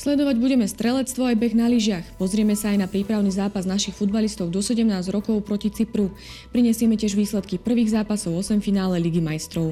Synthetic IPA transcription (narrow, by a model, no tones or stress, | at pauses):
slɛd̪ɔʋaɟbuɟɛmɛst̪ɾɛlɛt͡st̪ʋɔajbɛɣnaliʒɪaxpɔzɾɪɛmɛsaːjnapɾiːpɾaʊniːzaːpaznaʃixfud̪̚balist̪ɔʊd̪ɔsɛɟɛmnaːzɾɔkɔʊpɾɔcit͡sipɾu | pɾiɲɛsɪɛmɛcɪɛʒʋiːslɛt̪kipr̩ʋiːɣzaːpasɔʊɔsɛmfinaːlɛliɡimajst̪ɾɔʊ